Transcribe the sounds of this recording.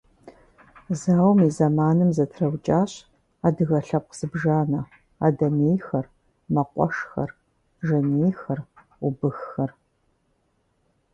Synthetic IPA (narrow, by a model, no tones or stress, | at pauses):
zaːwmiːzɐmaːnɨmzɐtʰrɐwt͡ʃʼaːɕ | adɨɣɐɬɐp̚qsɨbʒaːnɐ | aːdɐneːjxɐr | mɐqʷʼɔ̰ʂxɐ̰r | ʒɐneːjxɐr | ubɨxxɐr